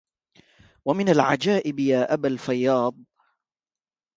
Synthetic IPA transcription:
wamɪnalʕad͡ʒaːʔɪbjaːʔabalfajːɑːd̪̚ˤ

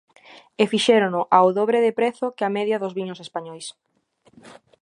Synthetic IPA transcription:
efiʃɛɾʊnʊʔaoðoβɾeðɪpɾeθʊkɪamɛðjɐðʊzβiɲʊsespaɲɔjs

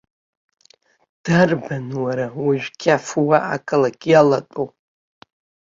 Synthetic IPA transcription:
d̥arbanwaɾawiʒᶣkʲʰafuwaʔakʼɨlakʲʼjalatʼo

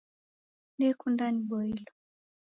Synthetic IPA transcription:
nikundaniɓɔilɔ

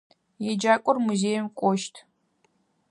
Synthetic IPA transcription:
jɛd͡ʒaːkʷʼɔrmuzeːjɛmkʷʼɔʃtʰ

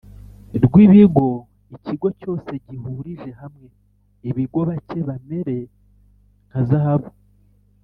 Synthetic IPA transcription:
ɾɡwiːβiɡo̞ | iciɡo̞co̞ːse̞ɟiɦuɾiʒe̞ɦamŋe̞ | iβiɡo̞βace̞βame̞ɾe̞ | ŋkazahaβo

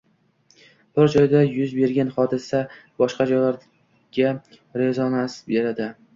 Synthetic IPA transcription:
b̥ɪɾd͡ʒɒjd̪ajʊzbe̞ɾɡʲanχɒd̪ɪsabɒʃqɑd͡ʒɒjlaɾ | ɡ̥ʲa | ɾezɒnasbe̞ɾad̪ɪ

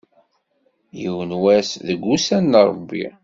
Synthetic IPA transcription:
jiwənwæsðəɡʷːusænːɾˤəbːḭ

